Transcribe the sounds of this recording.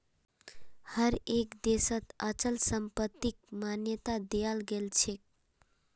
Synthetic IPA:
həɾekd̪esət̪ət͡ʃəlsəmpət̪ːik̚manjət̪ad̪ejəlɡelt͡ʃʰek̚

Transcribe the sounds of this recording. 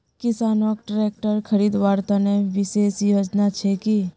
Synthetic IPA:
kɪsaːnoːk̚ʈɾeːk̚ʈəɾkʰəɾiːd̪ʋaːɾt̪aneʋɪseːsjoːd͡ʒnat͡ʃʰeki

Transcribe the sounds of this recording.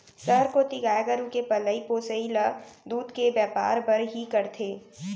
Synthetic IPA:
sɐɦɾkot̪ɪɡaːjeɡəɾukepɐləipoːsəilad̪uːd̪kebɛːpa̰ːɾbɐɾɦikɐɾt̪ʰeː

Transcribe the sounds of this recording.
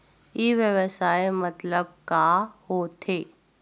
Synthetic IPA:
jeːʋjəʋəsaːemɐt̪ləb̚kahot̪ʰeː

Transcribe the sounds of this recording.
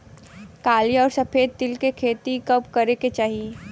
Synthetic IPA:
kaːlijɔːɾsɐpeːd̪̚t̪ɪlkekʰeːt̪ikɐbkɐɾeket͡ʃaːɦie

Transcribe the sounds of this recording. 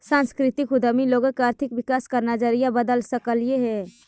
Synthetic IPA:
sãnskɾit̪ikud̪əmiloɡəkaɾt̪ʰikʋikaskəɾnad͡ʒəɾijabəd̪əlsəkəljeɦɛ

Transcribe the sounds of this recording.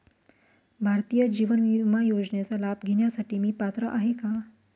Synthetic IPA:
bʱaɾt̪ijəd͡ʑiʋənʋimajod͡ʑɳjat͡salabɡʱeɳjasaʈiːmiːpat̪ɾəʔaɦeka

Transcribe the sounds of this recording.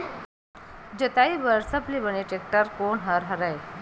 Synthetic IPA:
d͡ʑət̪aibəɾsəplibəneʈek̚ʈəɾkonɦəɾɦəɾaj

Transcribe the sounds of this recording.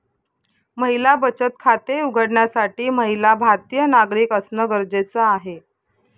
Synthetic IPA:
məɦilabət͡ɕət̪kʰat̪euɡʱəɽɳjasaʈiːməɦilabʱat̪ijənaɡɾiːkəsnəɡəɾd͡zet͡səaɦe

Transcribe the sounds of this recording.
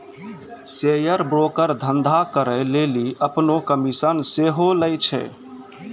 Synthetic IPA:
sejəɾbɾokəɾd̪ʱənd̪ʱakəɾəleliʔəpnokəmisənseɦoləjt͡ʃʰɛ̰

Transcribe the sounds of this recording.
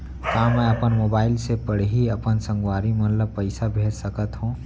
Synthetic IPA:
kamɛəpənmoːbaːɪlsepəɽ̤ɦiəpənsə̃ŋɡwaːɾimət̪ləb̚pəɪsabʱesəkət̪ɦũ

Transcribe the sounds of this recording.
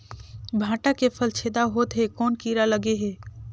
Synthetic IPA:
bʱaːʈakepʰəlt͡ʃʰeːd̪aɦoːt̪ɦɛkɔːnkiːɾaləɡeɦɛː

